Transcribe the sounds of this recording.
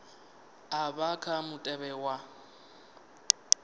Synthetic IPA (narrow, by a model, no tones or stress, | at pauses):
abakʰamʊtʼɛbɛwa